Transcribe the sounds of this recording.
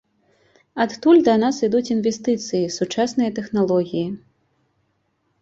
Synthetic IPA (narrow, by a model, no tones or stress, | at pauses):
at̪t̪ulʲd̪ɐnasid̪ut͡sʲinvʲɛst̪ɨt̪sɨjisut͡ʂasnɨjɐt̪ɛxnalˠɔɣʲiji